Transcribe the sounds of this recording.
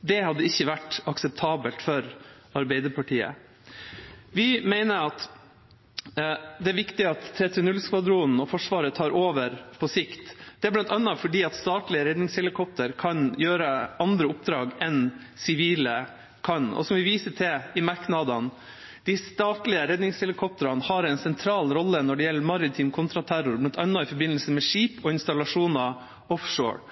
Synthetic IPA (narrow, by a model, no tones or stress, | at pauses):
d̪ɛhɑd̪ːəɪçːəʋæʈɑksɛp̚t̪ʰɑːbəlt̪fɔɾ | ɑɾbɛɪd̪əpɑʈʰiːə̰ | ʋɪmæɪnəɾɑt̪ | d̪ɛæɾʋɪkt̪ɪɑt̪ʰːɾɛt̪ʰɪnʉlskʋɑd̪ɾuːnn̩ɔfɔʂʋɑːɾət̪ʰɑːɾʔoːʋəɾpʰɔsɪkt̪d̪̥ɛæblɑnt̪ɑnːəfɔɖiːɑt̪st̪ɑːt̪lɪəɾɛd̪nɪŋshɛlɪkʰɔp̚t̪əɾkʰɑnjøːɾəɑnd̪ɾəʊp̚d̪ɾɑːɡɛn | sɪʋiːlə | kʰɑnɔ̰sɔmʋɪʋiːsəʈʰɪɪmɑɾknɑd̪ɑn | d̪̥ɪst̪ɑːt̪lɪəɾɛd̪nɪŋshɛlɪkʰɔp̚t̪əɾɑnhɑɾɛɪnsɛnt̪ʰɾɑːlɾɔlːənɔɖɛjɛlːəɾmɑɾɪt̪ʰiːmkʰʊnt̪ɾɑt̪ʰæɾʊɾblɑnt̪ɑnːɑɪfɔɾbɪnːəlsəmɛʂiːpɔɪnst̪ɑlɑʂuːnɑ | ɔfʂo̰ːɹ